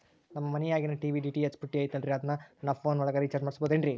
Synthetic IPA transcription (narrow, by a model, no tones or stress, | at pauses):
nɐmːɐmɐnɛjaːɡinɐʈiːʋiɖiːʈiet͡ʃpuʈːiaːjt̪ɐlɾiɐd̪ɐnːɐnɐpʰoːnɔɭɐɡaːɾit͡ʃaɾd͡ʒmaːɽisboːd̪eɳɖɾi